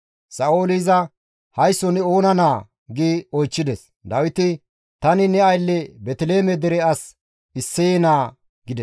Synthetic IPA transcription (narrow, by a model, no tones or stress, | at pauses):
sɐoːlɪzɐ | hɐjsːɔnɛoːnɐnaː | ɡiːɔjt͡ʃːɪd̪ɛs | d̪ɐwɪt̪ɪ | t̪ɐnɪnɛɐjlːɛbɛt̪ɪleːmɛd̪ɛɾɛɐs | ɪsːɛjɛnaː | ɡɪd̪ɛs